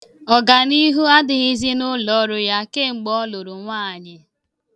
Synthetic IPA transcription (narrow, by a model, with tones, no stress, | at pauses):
ɔ˨ɡa˨ni˦ɦu˦a˦dɪ˨ɣi˦zi˦nʊ˦lɔ˨˦ɾʊ˦ja˦ke˦˨ŋ͡m̩˨ɡ͡bɔ˦lo˨ɾʊ˨ŋʷaː˦˨ɲɪ˨